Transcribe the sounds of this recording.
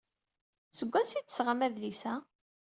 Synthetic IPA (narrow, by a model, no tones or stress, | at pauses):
səɡʷːæsit͡s̪ːə̥sʁamæðlisæ